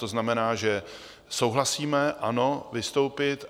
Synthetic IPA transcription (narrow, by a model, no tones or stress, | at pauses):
t̪o̞znamɛnaːʒɛ | so̞wɦlasiːmɛʔano̞vɪst̪o̞wpɪt̪